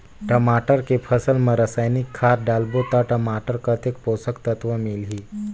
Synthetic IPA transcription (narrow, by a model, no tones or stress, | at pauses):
ʈəmaʈəɾkepʰəsəlməɾəsajnikʰːaɾɖalbot̪aʈəmaʈəɾkət̪ʰekposəkt̪ət̪ʋəmilɦi